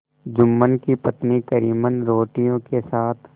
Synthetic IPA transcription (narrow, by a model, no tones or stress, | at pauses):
d͡ʒʊmːənkipɐt̪nikəɾiːmənɾoːʈijõkesaːt̪ʰ